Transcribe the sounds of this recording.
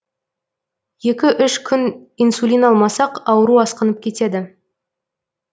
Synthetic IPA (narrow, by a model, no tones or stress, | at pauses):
je̞kʲɪʔʏʃkʲʰʏninsulʲinɑlˠmɑsɑqɑwəɾuɑsqənəp̚kʲʰe̞t̪e̞d̪ɪ